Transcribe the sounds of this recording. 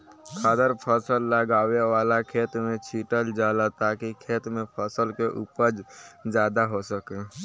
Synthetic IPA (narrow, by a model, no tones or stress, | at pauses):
kʰaːd̪əɾpʰəsəlːəɡaːweʋaːlakʰeːt̪mẽt͡ʃʰiːʈəld͡ʒaːlat̪aːkikʰeːt̪mẽpʰəsəlkeʔuːpəɾd͡ʒd͡ʒjaːd̪aɦosəke